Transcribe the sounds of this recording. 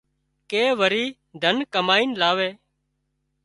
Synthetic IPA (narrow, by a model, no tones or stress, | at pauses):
keːʋəɾiː | d̪ʱənkəmaːiːnlaːʋeː